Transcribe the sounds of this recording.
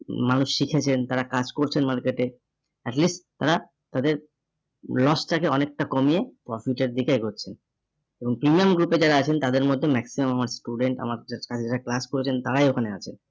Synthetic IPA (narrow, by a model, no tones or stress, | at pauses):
manuʃʃikʰet͡ɕʰent̪aɾakad͡ʑkoɾt͡ɕʰenmaɾkeʈe | ɛʈlisʈt̪ːaɾa | t̪ad̪eɾ | lɔsʈakeɔnek̚ʈakomiepɾɔfiʈeɾd̪ikejɡoɾt͡ɕʰen | eboŋpɾimiamɡɾuped͡ʑaɾaat͡ɕʰent̪ad̪eɾmod̪ʱːemɛksimamamaɾsʈuɖeɳʈa̰maɾakat͡ɕʰed͡ʑaɾaklaskoɾet͡ɕʰent̪aɾajokʰaneat͡ɕʰen